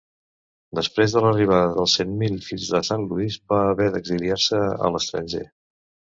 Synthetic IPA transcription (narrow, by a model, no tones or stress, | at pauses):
d̪əspɾezðələriβ̞aðəðəlˠsenmilfiʎzðəsanluizbaːβɛðəɡziliaɾsəə̰ləst̪ɾə̰nʲʒḛ